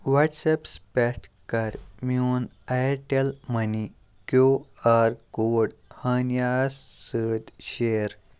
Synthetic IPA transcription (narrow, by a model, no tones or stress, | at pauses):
ʋaʈsepspɛʈkɐɾmun | aʈelməni | kjoaɾkoɽhənjasːəd̪ɕeɾ